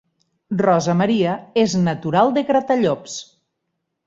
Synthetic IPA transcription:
rɔzəməɾiəeznət̪uɾalˠd̪eɣɾət̪əʎops

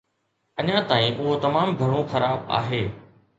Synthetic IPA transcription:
ɐɲãt̪aːĩʔʊɦot̪ɐmaːmbʱɐɽ̤̃õxɐɾaːba̰ːɦeː

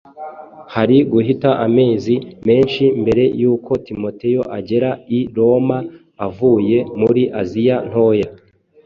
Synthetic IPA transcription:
haɾiɡuɦitaʔame̞ːzime̞ːnʃimbe̞ɾe̞juːko̞timo̞te̞jo̞ʔaɟe̞ɾaiɾo̞maː | vuːje̞muɾiʔazijan̥ho̞ja

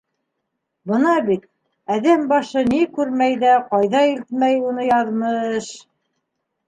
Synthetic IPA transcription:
bɤnɑbit̪̚ | æðæmbɑʃɤnikʉɾmæjðæqɑjðɑilt̪̚mæjun̪ɤjɑðmɤʃ

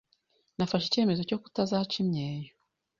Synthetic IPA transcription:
nafaʃece̞ːme̞zo̞co̞ku̥tazat͡ʃimɲeːjo

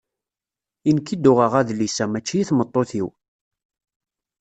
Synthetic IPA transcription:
inkːid̪ʊʁəʁæðlisæmæt͡ʃːijiθmət̪ˤːoθiw

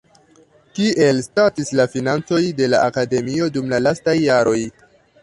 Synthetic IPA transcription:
kiʔe̞lstatislafinant͡so̞jde̞la̰ʔakade̞mio̞dumlalastajːaɾʔo̞j

